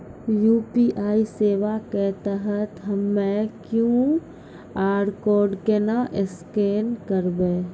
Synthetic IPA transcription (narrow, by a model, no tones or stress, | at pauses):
juːpiʔaːiseːʋaket̪əɦət̪ɦəmːẽkjũ | aːɖkoːɾɖkenaʔɪskeːnkəɾbẽː